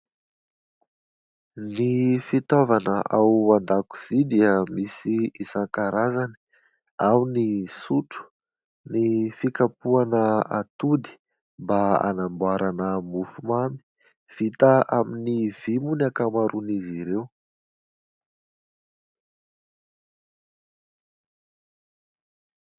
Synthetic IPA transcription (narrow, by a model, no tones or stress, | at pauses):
nifit̪ɔvanəʔawand̪aku̥z̥id̪iəmisiisaŋkaɾazani̥ | awnisuʈ͡ʂu̥ | nifikapuanəat̪ud̪i̥ | mbaa̰nambuaɾanəmufumami̥ | v̥it̪aʔaminiv̥imunakamaɾuniziɾew